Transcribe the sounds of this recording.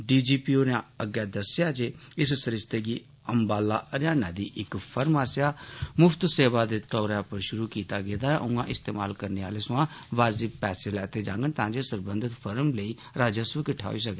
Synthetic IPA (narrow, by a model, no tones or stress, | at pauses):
ɖiːd͡ʒiːpiːoːnãəɡɛːd̪əsjaːd͡ʒeːɪssəɾɪst̪eːɡiː | əmbaːlːaːʔəɾjaːnaːd̪iːʔɪkpʰəɾmaːsɪjaːmʊpʰt̪seːʋaːd̪eːt̪ɔːɾaːpəɾʃʊɾuːkiːt̪aːɡeːd̪aːɛʔʊ̃ːãːʔɪst̪eːma̰ːlkəɾneːa̰ːleːsʊ̃ãː | ʋaːzɪpɛːseːlɛːt̪eːd͡ʒãːŋɡənt̪ãːd͡ʒeːsəɾbənd̪ɪt̪pʰəɾəmləiː | ɾaːd͡ʒəsʋəkəʈʰa̰ːiːs̬əke